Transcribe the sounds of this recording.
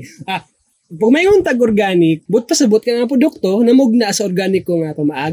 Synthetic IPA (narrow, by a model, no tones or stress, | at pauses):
ʔa | pɐɡ̚mɐjŋʊnt̪ɐɡoɾɡaːnɪk̚bʊt̪̚pɐsɐbʊt̪̚kɐnap̬ɾod̪ʊk̚t̪onɐmʊɡ̚naʔsɐoɾɡaːnɪkːoŋaːt̪omɐʔaː